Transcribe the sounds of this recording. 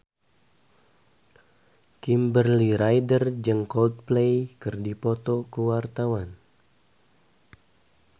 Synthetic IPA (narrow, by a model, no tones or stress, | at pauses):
kimbərliɾajdərd͡ʒəŋkɔld̪̚plejkɨrdipɔt̪ɔkəwart̪awan